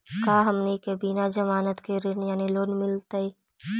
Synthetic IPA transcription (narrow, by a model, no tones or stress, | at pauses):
kaːɦɐmnikebiːnad͡ʒɐmaːnət̪keɾɪnjaːniloːnmɪlt̪aiː